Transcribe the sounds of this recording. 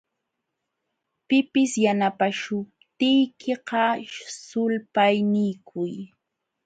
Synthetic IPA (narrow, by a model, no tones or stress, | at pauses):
pɪpɪsjanapaʃʊp̚t̪ɪjkʰeqɑsʊlpajnɪjkʰʊj